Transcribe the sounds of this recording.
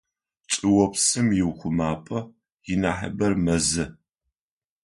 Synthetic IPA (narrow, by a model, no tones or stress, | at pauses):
t͡ʃʼɪwɔpsɨmjɪwχʷʊmaːpʼɐ | jɪnaːħɐ̰bɐrmɐzɨ